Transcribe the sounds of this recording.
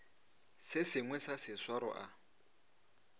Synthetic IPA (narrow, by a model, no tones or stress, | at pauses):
sɪsɪŋwɛsasɪswaɾɔ̰ʔa